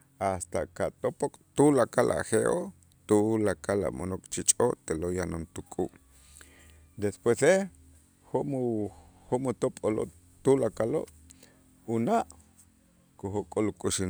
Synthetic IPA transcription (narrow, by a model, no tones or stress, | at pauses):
ast̪akat̪opokʼt̪ulakalʔa̰xeʔo | t̪ulakala̰monokʼt͡ʃit͡ʃʼot̪elojano̰nt̪ukʼuʔ | d̪espwese | homuhomut̪opʼolo̰ʔ | t̪ulakalo̰ʔ | unaʔ | koxokʼolukʼuʃi